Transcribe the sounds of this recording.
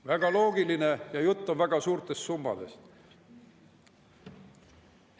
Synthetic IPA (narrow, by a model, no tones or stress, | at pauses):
væɡ̥ɑlo̞ːɡiline̞jɑjut̪ːonvæɡ̥ɑsuːrt̪ˑe̞st̪sumbɑ̰d̪e̞̰s